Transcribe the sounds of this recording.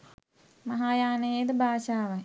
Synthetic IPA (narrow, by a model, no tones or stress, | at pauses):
mɐɦaːjaːnəjeːd̪əbʱaːʃaːʋaj